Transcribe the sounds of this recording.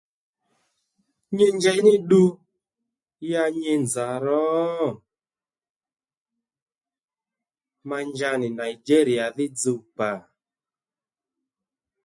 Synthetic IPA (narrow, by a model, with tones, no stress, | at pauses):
ɲe˦ɲd͡ʒɛ˨˦nɪ˦ɗu˧ | ja˧ɲe˧nd͡za˨ɾɔ˨˦˨ | ma˧ɲd͡ʒa˧nɪ˨na˨i˨d͡ʒe˦ɾi˨a˨ðɪ˦d͡zu˧˨k͡pa˨